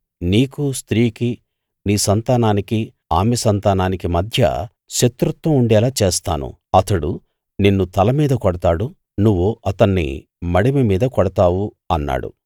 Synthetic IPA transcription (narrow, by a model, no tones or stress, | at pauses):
niːkust̪ɾiːki | niːsɐnt̪aːnaːniki | a̰ːmɛsɐnt̪aːnaːnikimɐd̪ʱjɐ̰ | ʃet̪ɾut̪ʋɐmuɳɖɛːlaːt͡ʃeːst̪a̰ːnṵ | ɐt̪ɐɽu | ninːut̪ɐlɐmiːd̪ɐkɔɽɐt̪aːɽu | nuʋːoʔɐt̪ɐnːḭ | mɐɽimemiːd̪ɐkɔɽɐt̪aːʋu | ɐnːa̰ːɽṵ